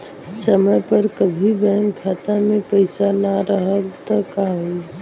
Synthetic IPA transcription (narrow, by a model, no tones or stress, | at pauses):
səməjpəɾkəbʱibɛnkʰat̪amepəɪsanaɾəɦəlt̪əkaɦu